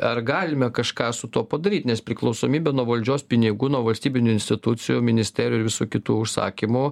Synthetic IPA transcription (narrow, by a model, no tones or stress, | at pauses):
ɐrɡɑːlʲɪmʲɛkɐʃkɑːsʊt̪uɔpɐd̪ɐɾʲiːt̪ʲnʲɛspʲɾʲɪklˠɔʊsoːmʲiːbʲɛːnuɔʋɐlʲd͡ʒʲoːspʲɪnʲɪɡuːnuɔʋɐlʲsʲt̪ʲiːbʲɪnʲʊɪnsʲt̪ʲɪt̪ʊt͡s̪ʲɪjʊmʲɪnʲɪsʲt̪ʲæːɾʲjʊɪɾʋʲɪsuːkʲɪt̪uːʊʃsɑ̰ːkʲimʊ